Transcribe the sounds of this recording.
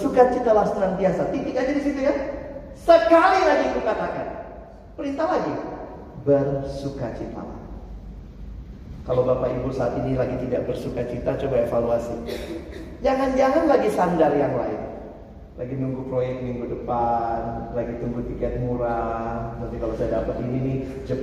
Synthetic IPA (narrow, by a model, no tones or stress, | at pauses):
sukat͡ʃit̪alast̪əɾaŋbiasat̪ikɪkad͡ʒadisit̪uja | səkalilaɡik̪ukat̪akan | pəɾit̪alaɡi | bərsukat͡ʃit̪a̰la̰h | kalawbapaibulsaːt̪inilaɡit̪idaʔbərsukat͡ʃit̪at͡ʃobaefaluasi | d͡ʒaŋand͡ʒaŋanlaɡisandarjaŋla̰ɪn | lʔaɡinuŋɡupɾojɛk̚miŋɡudəpanlaɡit̪uŋɡut̪ikɛt̪̚muɾanant̪ikalasajadapət̪inini | d͡ʒə